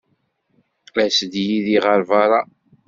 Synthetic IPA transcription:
læsd̪jiðiʁəɾvɑɾˤɑ

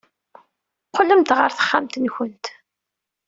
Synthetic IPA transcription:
qːələmt̪ʁəɾθə̥χːamt̪nçənt̪

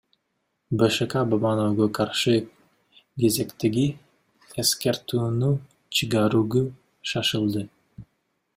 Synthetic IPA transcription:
bəʃakɑbabɑnowɡokʰɑɾʃɯ | ɡe̞zekt̪eɡi | eskeɾt̪uːnu | t͡ʃʰɯɡɑɾuɡu | ʃɑʃɯlˠd̪ɯ

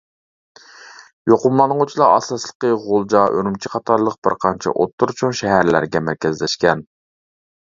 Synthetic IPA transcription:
joqʊmlˠɑnəŋut͡ʃʰilˠɑɑ̰sɑslˠə̥qəʁolˠd͡ʒɑʔøɾymt͡ʃʰiqʰɑt̪ʰɑɾlˠəq̚b̥ɪɾqʰɑnt͡ʃʰɛ̰ʔot̪ʰːuɾt͡ʃʰuŋʃɛɦæɾlæ̰ɾɡʲɛmæɾkʲɛzlɛʃkʲɛn

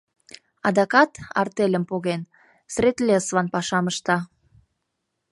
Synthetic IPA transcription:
ɑd̪ɑkɑt̪ɑ̰rt̪elʲəmpoɣen | sret̪lʲesβɑnpɑʃɑməʃt̪ɑ

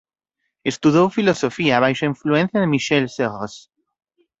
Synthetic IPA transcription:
est̪uðowfilosofiaːβajʃaĩɱfluẽn̟θjɐðemiʃɛlseʁos

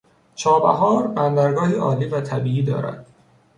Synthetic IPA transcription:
t͡ʃʰɒːbæ̰ɦɒːɾbænd̪æɾɡɒːɦiːʔɒːliːvæt̪ʰæbiːiːd̪ɒ̰ːɾæ̰d̪̥

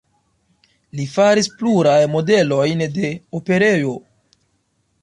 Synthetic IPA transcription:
lifaɾispluɾajmo̞de̞lo̞jnde̞ope̞ɾe̞jo̞

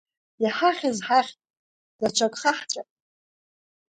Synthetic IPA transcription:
jaħaχʲɪzħaχʲtʼ | d̥at͡ʃʷʰakʼχaħt͡ʃʷʼapʼ

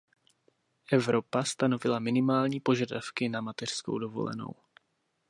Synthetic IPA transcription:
ʔɛvɾo̞past̪ano̞vɪlamɪnɪmaːlɲiːpo̞ʒadafkɪnamat̪ɛr̥sko̰wdovo̞̰lɛ̰no̰w

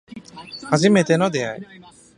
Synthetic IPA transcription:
azimɛt̪ɛnɔd̪ɛjaj

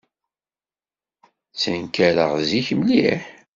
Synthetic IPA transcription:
t͡sːənkæɾə̰ʁziçmliħ

